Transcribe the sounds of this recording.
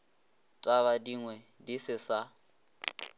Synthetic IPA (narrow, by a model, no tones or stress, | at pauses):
tʼaβadiŋwɛdisɪsa